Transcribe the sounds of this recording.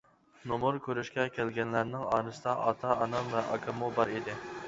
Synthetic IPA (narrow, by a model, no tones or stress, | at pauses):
nomuɾkʲøɾyʃkʲɛkʲʰælɡʲɛnlæɾnɪŋɑːɾɨsɨd̪ɑʔɑt̪ʰɑɑnɑmvɛʔɑ̰kʰɑmubɑɾid̪ɪ